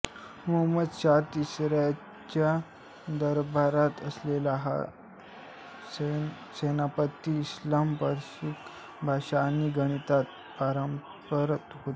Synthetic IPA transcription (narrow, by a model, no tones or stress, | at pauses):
muɦməd̪ɕat̪isɾja | t͡ɕa | d̪əɾbʱaɾat̪əslelaɦa̰ | senapət̪ːiːslampəɾɕik | bʱaɕaːniɡəɽ̃it̪at̪̚ | paɾəm | pəɾət̪ɦot̪